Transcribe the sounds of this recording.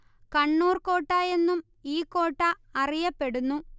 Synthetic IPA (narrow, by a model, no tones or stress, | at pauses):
kɐɳːuːrko̞ːʈːaːje̞nːum | iːkːo̞ːʈːɐ | ɐrijɐpːe̞ɽunːu